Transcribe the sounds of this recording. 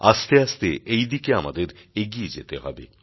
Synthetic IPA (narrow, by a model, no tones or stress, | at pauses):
ast̪east̪eʔejd̪ikeamad̪eɾeɡied͡ʑet̪eɦɔbḛ